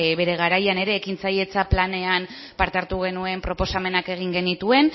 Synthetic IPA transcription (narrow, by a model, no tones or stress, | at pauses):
βe̞ɾe̞ɣaɾajane̞ɾe̞ːkint͡saje̞t͡saplane̞an | paɾt̪e̞aɾt̪uɣ̞e̞nue̞mpɾo̞po̞same̞nake̞ɣ̞iŋɡe̞nit̪ue̞n